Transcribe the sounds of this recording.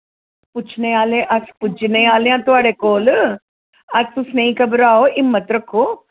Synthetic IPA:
put͡ʃʰnejaːleʔɐspud͡ʒnejaːleãt̪uɐɽekoːlɨ | ɐst̪usnɐĩkɐbɾaːoʔimːɐt̪ɾɐkːo

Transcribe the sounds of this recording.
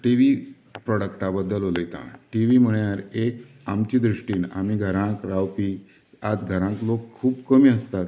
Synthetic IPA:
ʈiʋi | pɾɔɽəkʈabəd̪ːəloləjt̪ã̰ʈiʋim̤əɭjaɾek | amt͡ɕiːd̪ɾuʂʈiːna̰miːɡʱəɾãkɾawpiː | ad͡zɡʱəɾãklokʰːuːbkəmiːəst̪at̪

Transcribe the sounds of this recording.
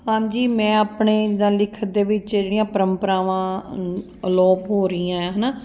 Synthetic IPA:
hãːd͡ʒiːmɛ̃ːaːpɳeːd̪ãːlɪkʰːət̪̚d̪eːʋɪt͡ʃeːɽijãːpəɾəmpəɾãːʋãː | əlɔːpɦoːɾəiːãːɛ̃ːɦənaː

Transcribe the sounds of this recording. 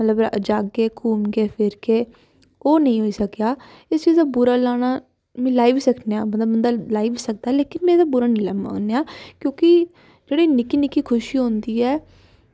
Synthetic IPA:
mət̪ləbəd͡ʒaːɡːeːkʰuːnɡeːpʰɪɾkeː | oːnəĩːɦoːiːsəkjaː | ɪst͡ʃiːzd̪aːbuːɾaːlaːɽ̃aː | mɛ̃ːlaːiʋiːsəkneaːbənd̪aːbənd̪aːlaːiːbisək̚d̪aɛːleːkɪnmɛ̃ːd̪aːbuɾaːnĩːlɛːma̰nejaːkjõːkɪ | d͡ʒeːɽiːnɪkiːnɪkiːkʰʊʃiːɦõːnd̪iːɛː

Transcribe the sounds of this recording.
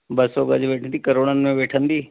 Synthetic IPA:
bɐsoɡɐ̰d͡ʑʋeːʈʰənd̪iːkɐɾoːɽənɪ̆mẽʋeːʈʰə̃nd̪iː

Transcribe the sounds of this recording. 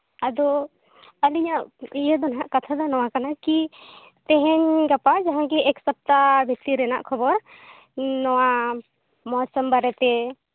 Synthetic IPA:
ad̪ɔ | əliɲaʔijɛd̪ɔnɦaʔkat̪ʰad̪ɔnɔwakanaki | t̪ɛɦɛɲɡapad͡ʒaɦãɡiɛksap̚t̪abʱit̪iɾɛna̰ʔkʰɔbɔɾ | nɔwa | mɔsɔmbaɾɛt̪ɛ

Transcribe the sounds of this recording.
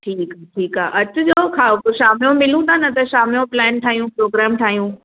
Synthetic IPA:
ʈʰiːkɦaːʈʰiːkaːʔɐt͡ɕʊd͡ʑoːkʰaːopʊʃaːmijõmɪl̤ũːd̪aːnɐt̪ɐʃaːmijõplɛːnʈʰaːɦijũpɾoːɡɾɛːmʈʰaːɦijũː

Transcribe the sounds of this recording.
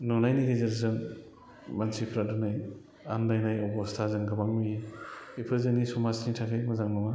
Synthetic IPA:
nɔnajniɡezeɾzɯŋ | mansʰipʰɾadunaj | andajnajɔwbɔstʰazɯŋɡamaŋmijipʰɯzeŋnisɔmasnitʰakʰajmazaŋnɔŋa

